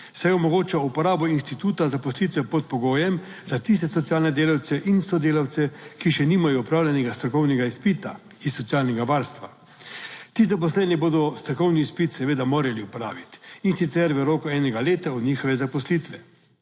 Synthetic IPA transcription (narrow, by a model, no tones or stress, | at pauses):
sajɔmɔɡoːt͡ʃaupɔɾaːbɔinst̪it̪uːt̪azapɔslit̪ʋɛpɔt̪̚pɔɡoːjɛm | z̥at̪is̬t̪ɛsɔt̪siaːlnɛd̪eːlawt̪sɛʔinsɔd̪eːlaw̪sɛkiʃɛniːmajɔupɾaːwlʲanɛɡast̪ɾɔkɔwnɛɡaispit̪a̰ | isːɔt̪siaːlnɛɡaʋaːɾst̪ʋa | t̪iːzap̬ɔs̬lɛniboːd̪ɔst̪ɾɔkɔwniːspit̪sɛʋeːd̪amoːɾɛliupɔɾa̰ːʋit̪insit̪sɛɾʋəɾɔːkɔɛːnɛɡaleːt̪aɔd̪nɲiːxɔʋɛzapɔslit̪ʋɛ